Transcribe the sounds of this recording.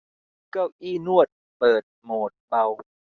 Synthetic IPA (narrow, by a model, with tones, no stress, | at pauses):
ka˥˩wʔiː˥˩nu˥˩ət̪̚ | pɤː˨˩t̪̚moː˨˩t̪̚ba˧w